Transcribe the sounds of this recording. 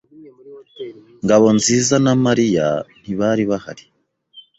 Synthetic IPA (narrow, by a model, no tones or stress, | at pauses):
ŋɡaβo̞nziːzanamaɾija̰n̥iβaɾiβaha̰ɾi̥